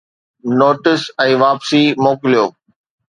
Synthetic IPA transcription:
noːʈɪsɛ̃ːʋaːpsimoːkɪlijoː

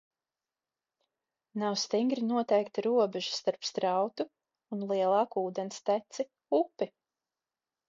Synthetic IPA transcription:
nawst̪iŋɡɾinuɔt̪ɛjkt̪iɾuɔbɛʒu̥st̪aɾpst̪ɾɑwt̪u | unlˠiɛlˠɑːkuːd̪ɛnst̪æt̪si | upːi

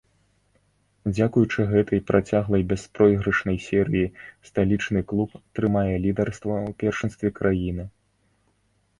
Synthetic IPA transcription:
d͡zʲakujut͡ʂɨɣɛt̪ʰɐjpɾat͡sʲaɣlˠɐjbʲɛspɾɔjɣɾɐʂnɐjsʲɛɾɨjist̪alʲit͡ʂnɨklˠupt̪ɾɨmajɛlʲid̪ɐrst̪vɐwpʲɛrʂɨnst̪vʲɛkɾajinɨ

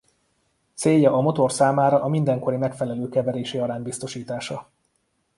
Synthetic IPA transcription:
t̪seːjːɒʔːmo̞t̪orsaːmaːɾɒʔːmind̪ɛŋko̞ɾimɛkfɛlɛløːkɛvɛɾeːʃeːɒɾaːnbist̪o̞ʃiːt̪aːʃɒ

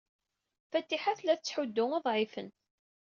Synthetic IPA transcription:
fæt̪ːiħaθlæθət͡sːħʊd̪ːʊŋɑðˤʕɪfə̰nt̪

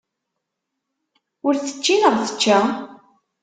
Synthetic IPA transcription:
ʊɾθə̥t͡ʃːinəʁθə̥t͡ʃːæ

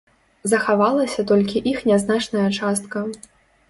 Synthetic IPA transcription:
zɐxavalˠɐsʲɐt̪ɔlʲkʲiʔixnʲaznat͡ʂnɐjɐt͡ʂast̪kɐ

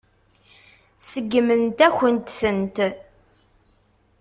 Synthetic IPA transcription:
səɡːmənt̪æçənt̪sənt̪

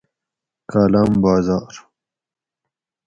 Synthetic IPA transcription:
kaːlaːmbaːzaːɾ

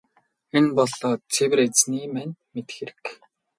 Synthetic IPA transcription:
enpɔɮɔːt͡sʰewɘ̆ret͡sniːmænmet̪xĕɾɘ̥̆k

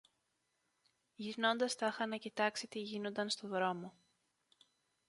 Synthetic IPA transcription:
ʝino̞nd̪ɐst̪ɐxɐnɐcit̪ɐksit̪iʝino̞nd̪ɐnst̪o̞ðɾo̞mo̞

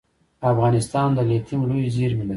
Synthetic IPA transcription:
afɣɑnɪst̪ɑnd̪əlet̪ʰimlujziɾmɪla

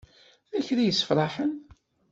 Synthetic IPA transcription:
ðæçɾijəsːə̥fɾˤɑħən

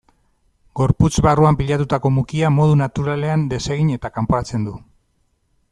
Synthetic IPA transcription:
ɡo̞ɾput͡sβaruampiʎat̪ut̪ako̞mukiamo̞ð̞unat̪uɾale̞and̪e̞se̞ɣ̞iɲe̞t̪akampoɾat͡se̞nd̪u

